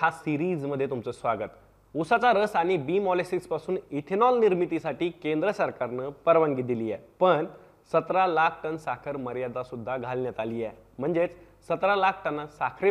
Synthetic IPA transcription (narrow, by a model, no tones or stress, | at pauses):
ɦasiɾiːd͡zməd̪ʱːjet̪umt͡səːsʋaɡət̪ | usat͡saɾəsaɽ̃ibimɔlesʈikspasuːnit̪ʰinɔlniɾmit̪isaʈiːkẽnd̪ɾəsəɾkaɾnəpəɾʋəŋɡid̪ilijɛ̰pəɳ | sət̪ɾalakʰʈənsakʰəɾməɾjad̪asud̪ʱːaɡʱalnjat̪aliːjɛ | m̤əɳd͡zet͡s | sət̪ɾalakʰʈənasakʰɾi